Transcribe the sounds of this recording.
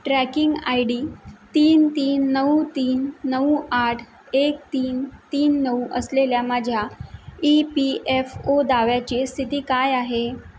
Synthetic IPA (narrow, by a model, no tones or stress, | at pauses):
ʈɾækiŋɡajɽiːt̪iːnt̪iːnːəut̪iːnːəuaʈʰ | ek̚t̪iːnt̪iːnːəuʔəsleljamad͡ʑʱjaipiʔefod̪aʋjat͡ɕiːst̪ʰit̪iːkajaɦe